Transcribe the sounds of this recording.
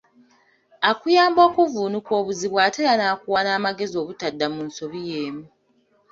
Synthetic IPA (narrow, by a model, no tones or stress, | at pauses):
akujaːmbo̞ːkuvuːnukwo̞ːβuziβwaːtelanaːkuwanaːmaɡe̞zio̞ːβutadːamunso̞βijeːmu